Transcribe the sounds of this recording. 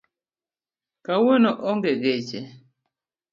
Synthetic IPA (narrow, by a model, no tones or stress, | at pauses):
kawenoʔɔŋɡeɡet͡ʃe